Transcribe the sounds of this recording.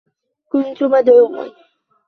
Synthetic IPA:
kʊnt̪ʊmad̪ʕuːma̰

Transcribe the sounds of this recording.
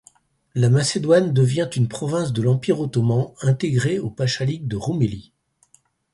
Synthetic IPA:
lamased̪wand̪əvjɛ̃t̪ynpχɔvɛ̃s̬d̪əlɑ̃piʁot̪ɔmɑ̃ɛ̃t̪eɡʁeopaʃaliɡ̚d̪əʁumeli

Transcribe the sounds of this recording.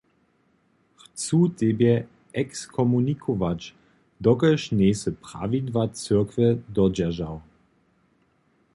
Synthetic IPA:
xt͡suːt̪ebjɛ | ɛkskʰɔmunikʰovat͡ʃ | d̪ɔkəʃneːsəpʁ̥a̰vid̪vat͡søɐkvəd̪ɔd͡ʑɛʒaw

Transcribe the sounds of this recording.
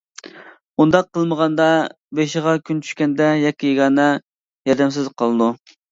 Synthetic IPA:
und̪ɑq̚ːəlˠməʁɑnd̪ɑ | beʃɪʁɑkʲʰynt͡ʃʰy̥ʃkʲɛnd̪ɛjɑkʲːijeɡɑːnɑ | jɑd̪ɛmsɪzqʰɑlˠɨd̪u

